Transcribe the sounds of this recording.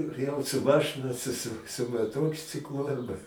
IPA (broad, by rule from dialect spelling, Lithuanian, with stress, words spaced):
jɛʊ sʊ ˈmɑːʃɨnɐ sʊ sʊ sʊ mɐˈtoːkt͡sʲɪklˠʊ ɐrˈbɐ